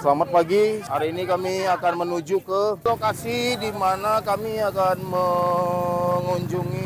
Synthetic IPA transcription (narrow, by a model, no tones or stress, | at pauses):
səlamat̪̚paɡiaɾinikamiakanmənud͡ʒukəlokasidimanakamiakanmə | ŋuɲd͡ʒuŋi